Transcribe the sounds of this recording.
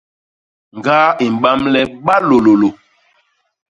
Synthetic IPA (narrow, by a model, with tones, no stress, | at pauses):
ŋ˨ɡaː˦i˨m̩˨ɓa˦mlɛ˦ɓa˦lo˨lo˨lo˨